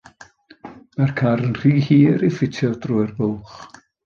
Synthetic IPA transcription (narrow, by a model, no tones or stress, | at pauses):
markʰaɾənr̥iːhiːɾifɪtʰjɔdrʊɨrbʊlˠχ